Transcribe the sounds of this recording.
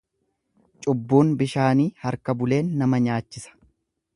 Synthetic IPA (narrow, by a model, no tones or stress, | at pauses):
t͡ʃʼʊbːuːnbɪʃaːniːhɐɾkɐbʊle̞ːnːɐmɐɲaːt͡ʃːɪsɐ̥